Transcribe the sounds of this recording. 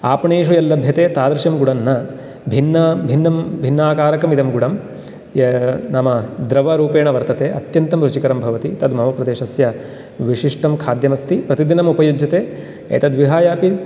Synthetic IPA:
aːpɐɳeːʃujɐlːɐbʱjɐt̪eːt̪aːd̪ɾɐʃɐmɡuɽɐnːɐ | bʱinːɐbʱinːɐmbʱinːaːkaːɾɐkɐmid̪ɐmɡuɽɐm | naːmɐd̪ɾɐʋɐɾuːpeːɳɐʋɐɾt̪ɐt̪eːʔɐ̰t̪jɐnt̪ɐmɾut͡ʃikɐɾɐmbʱɐʋɐt̪it̪ɐd̪mɐɦɐpɾɐd̪eːʃɐsjɐ | ʋiʂiʂʈɐmkʰaːd̪jɐmɐst̪ipɾɐt̪id̪inɐmupɐjud͡ʒɐt̪eː | ɐ̰t̪ɐd̪ʋiɦaːjaːpi

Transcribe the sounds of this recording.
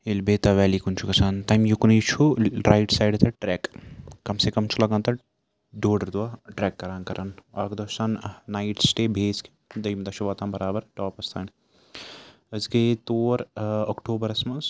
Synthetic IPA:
elbeːt̪aʋɛːlikunt͡ʃʰukɐsʰaːnt̪aːjmjuknit͡ʃʰuɾaːjʈsaːjɖt̪ʰɐʈɾɛːkːɐmsekɐmt͡ʃʰulɐɡãːnt̪ɐ | ɖoːɖɐɾd̪uwaːʈɾɛːkːɐɾaːnkɐɾʔanɐkd̪ɐːʃaːnːaːiʈsʈeːbʱeːske̥ | d̪ɐjmd̪ɐʃuʋaːt̪ãːmbɐɾaːbəɾʈɔːpɐst̪ʰaːn | əzket̪oːɾɐkʈoːbɐɾɐsmɐns

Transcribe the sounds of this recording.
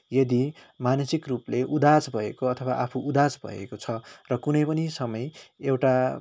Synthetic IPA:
jʌd̪i | manʌsikrupleʔud̪ad͡zbʱʌekoʌt̪ʰʌwaʔapʰuʔud̪ad͡zbʱʌ̰ḛkot͡sʰʌrʌkunʌjpʌnisʌmʌjewʈa

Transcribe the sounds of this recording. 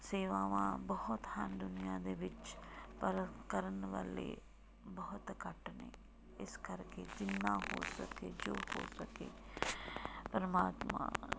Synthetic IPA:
seːʋaːʋã̰ːbəɦʊt̪hənd̪ʊnɪjãːd̪eːʋɪt͡ʃpəɾətkəɾənʋa̰ːlḛː | bəɦʊt̪kəʈnḛː | ɪskəɾkeːd͡ʒɪnːãːɦo̰ːsə̰keːd͡ʒoːho̰ːsəkeː | pəɾəmaːt̪mã̰ː

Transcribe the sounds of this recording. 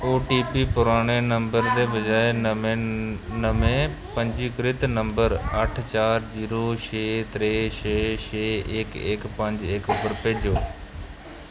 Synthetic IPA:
oːʈiːpipʊɾaːɽ̃enɐ̃mbəɾd̪ebɐd͡ʑaːe | nɐmẽpɐ̃ɲd͡ʑikɾɪt̪nɐ̃mbəɾɐʈʰt͡ɕaːɾziːɾoʃeːt̪ɾeːʃeːʃeːeːkeːkpɐ̃ɲd͡ʑeːkʊpəɽpeːd͡ʑoː

